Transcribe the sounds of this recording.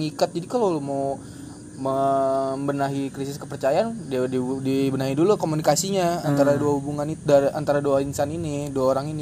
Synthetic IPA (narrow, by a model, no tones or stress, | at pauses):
ŋikat̪̚d͡ʒadikalolmau | məmbənaɦikɾisɪskəpərt͡ʃajaandidibənaɦidulukomunikasiɲaant̪aɾaduahubuŋaniaɾʔant̪aɾaduainsaniniduaoɾaŋini